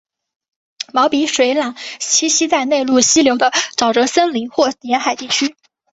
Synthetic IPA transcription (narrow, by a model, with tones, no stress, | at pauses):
mɑ˧˥ʊpi˧˥ʂwe˧˥ɪla˨˩ŋt͡ɕʰi˥ɕi˥t͡sa˥˧ɪne˥˧ɪlu˥˩ɕi˥ljo˧˥ʊd̪ə˧ʈ͡ʂɑ˨˩ʊʈ͡ʂə˧˥sə˥nli˧˥ŋxwɔ˥˩njɛ˧˥nxa˨˩ɪt̪i˥˩t͡ɕʰy˥